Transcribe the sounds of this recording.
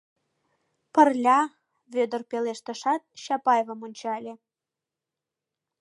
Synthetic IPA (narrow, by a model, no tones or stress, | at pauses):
pə̆rlʲɑ | βød̪ə̆rpeleʃt̪ə̆ʃɑt̪̚ɕɑpɑjevəmonʲt͡ɕɑlʲe